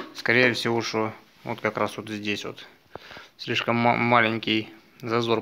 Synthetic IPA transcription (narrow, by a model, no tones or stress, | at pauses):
skɐɾʲejəfsʲɪvoʂt̪o | vo̰t̪kɐkɾasvot̪zʲdʲesʲvo̰t̪ | sʲlʲiʂkəm̰ːalʲɪnʲkʲɪj | zɐzo̞r